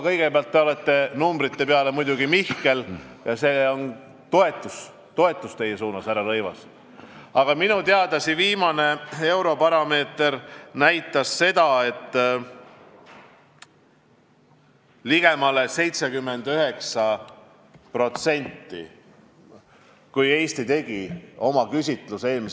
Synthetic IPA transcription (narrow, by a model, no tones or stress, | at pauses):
kɤ̞jɡ̥e̞peɑlt̪ːe̞o̞le̞t̪ːe̞numbɾit̪ːe̞peɑle̞mujd̪̥ʲuɡimihke̞ljɑse̞o̞n | t̪o̞e̞t̪ːˑus | t̪o̞e̞t̪ːˑust̪e̞jesuːnɑsæɾɑɾɤ̞jvɑ̰s | ɑɡ̥ɑminut̪eɑd̪̥ɑsiviːmɑne̞e̞wɾo̞pɑɾɑme̞ːt̪ernæjt̪ːˑɑsːe̞d̪̥ɑe̞t̪ː | liɡ̥e̞mɑlese̞jt̪se̞kymːend̪yɦe̞ksɑ | pro̞t̪se̞nʲt̪ˑːḭ | kuje̞ːst̪it̪e̞ɡ̥io̞mɑkysʲit̪ˑluse̞ːlmis